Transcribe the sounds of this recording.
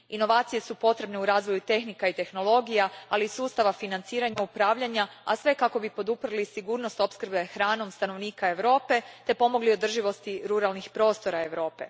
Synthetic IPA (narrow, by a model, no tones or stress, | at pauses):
ino̞ʋaːt̪sije̞supo̞t̪ɾe̞bne̞uɾaːzʋojut̪e̞xnikait̪e̞xno̞lˠo̞ɡijaaliːsuːst̪aʋafinant̪siːɾaɲaupɾaːʋʎaɲaasʋe̞kako̞bipo̞d̪upɾɨlisiɡuːɾnost̪o̞pskrɾbexɾaːno̞mst̪ano̞ʋniːkae̞ʋɾo̞ːpe̞t̪e̞po̞mo̞ɡlio̞d̪r̩ʒiʋo̞st̪iɾuɾalˠnixpɾo̞ːst̪o̞ɾae̞ʋɾo̞ːpe̞̰